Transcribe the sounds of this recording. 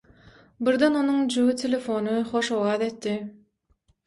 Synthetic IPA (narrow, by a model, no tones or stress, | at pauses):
biɾd̪ɑno̞nuŋd͡ʒuɣit̪ʰʲelʲefo̞nɯχoʃowɑːðe̞t̪ːi